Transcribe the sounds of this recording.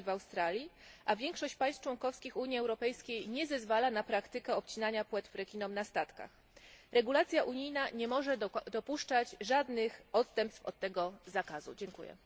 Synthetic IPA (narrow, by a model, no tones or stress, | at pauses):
vawst̪ɾalʲjiʔavʲjɛŋkʂɔɕt͡ɕpajs̚t͡ʂwɔŋkɔfskʲixuɲiɛwɾɔpɛjskʲejɲɛzɛzvalanapɾakt̪ɘkɛɔp̚t͡ɕinaɲapwɛt̪fɾɛkʲinɔmnast̪at̪ka̰x | ɾɛɡulat̪sʲjaʔuɲijnaɲɛmɔʐɛd̪ɔpuʂt͡ʂad͡ʑʐad̪nɘxɔt̪st̪ɛmpst̪fɔ̰t̪̚ːɛɡɔzakazṵd͡ʑɛŋkṵjɛ̰